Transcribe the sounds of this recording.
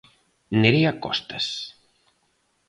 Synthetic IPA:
neɾiakɔ̰st̪as

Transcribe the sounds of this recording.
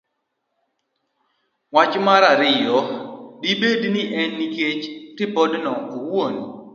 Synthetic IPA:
wat͡ʃmaɾaɾɪjɔdibednɪʔɛnːiket͡ʃtɪbɔdnɔowon

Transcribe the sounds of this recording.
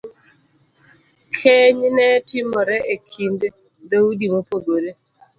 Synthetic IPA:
kʰeɲnɛtɪmɔɾɛʔekʰinde | d̪audimopoɡoɾe

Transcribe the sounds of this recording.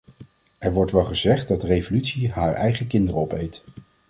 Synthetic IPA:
ʔɛɹʋɔɹtʋɛlˠχəzɛχt̚dɑdərejvolytsiɦaːɹɛ̰jχəkɪndərəɔpejt

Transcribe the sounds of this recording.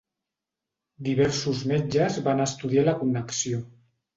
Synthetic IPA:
d̪iβɛɾsuzmed͡ʒəzβanəst̪uðialəkunːəksio

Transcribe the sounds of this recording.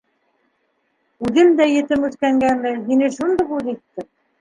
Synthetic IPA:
ʉðɘmd̪æjɘ̆t̪ɘmʉt̪kæŋɡænːɘɦinɘʃund̪ɤ̆puðit̪ːɘ

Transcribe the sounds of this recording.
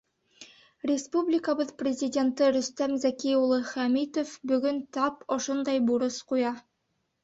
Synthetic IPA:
rʲɪspublʲɪkəbɤðprʲɪzʲɪdʲe̞nt̪ɤɾɵ̆st̪æmzækiulˠɤχæmit̪ofbɵ̆ɡɵnt̪ɑpŏʃond̪ɑjbuɾɤsqujɑ

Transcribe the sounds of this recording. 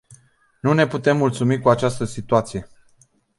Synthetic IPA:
nune̞put̪e̞mːult̪sumikuat͡ʃast̪əsit̪uat̪sije̞

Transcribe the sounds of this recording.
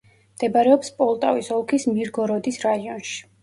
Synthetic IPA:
md̪̥ɛbaɾɛɔpspʼɔlˠt̪ʼavisɔlˠkʰismiɾɡɔɾɔd̪isɾaiɔnʃi̥

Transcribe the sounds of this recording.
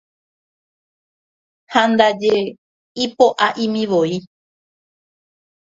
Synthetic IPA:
hãnd̪ad͡ʒe | ipoʔaʔĩmĩʋoi

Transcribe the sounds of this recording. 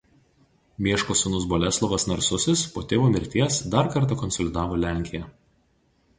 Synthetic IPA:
mʲiɛʃkoːsʊnʊsbɔlʲɛslˠɔʋɐsnɐɾsʊsʲɪspoːt̪ʲeːʋoːmʲɪɾʲt̪ʲiɛsd̪ɑɾkɐɾˑt̪ɑˑkɔnsɔlʲɪd̪ɑːʋoːlʲæˑŋʲkʲɪjɛ

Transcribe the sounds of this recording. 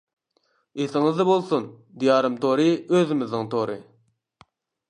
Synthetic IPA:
esɪŋɪzd̪ɑbolˠsun | d̪ijɑːɾɨmt̪ʰoɾɨøðɪmɪznɪŋt̪ʰoɾɨ̰

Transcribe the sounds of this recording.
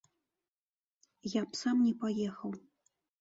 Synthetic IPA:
japsamnʲɛpajɛxɐw

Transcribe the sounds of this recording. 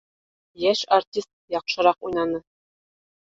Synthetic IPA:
jæʃartʲist̪̚jɒɑqʃɤ̆ɾɑqujnɑnɤ

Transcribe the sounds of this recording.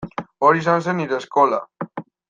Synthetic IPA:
oɾis̬ans̬eniɾeːskola̰

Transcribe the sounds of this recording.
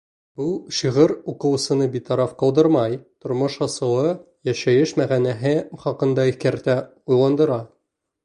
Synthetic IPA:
buʃiʁɘɾuqɤ̆w̆sɤ̆nɤbit̪ɑɾɑfqɒlˠd̪ɤɾmɑjt̪ŏɾmoʃɑsɤ̆w̪ˠɤ | jæʃæjɘʃmæʁænæɦɘχɒqɤ̆nd̪ɑiθkæɾt̪æ | ujlˠɑnd̪ɤ̆ɾɑ

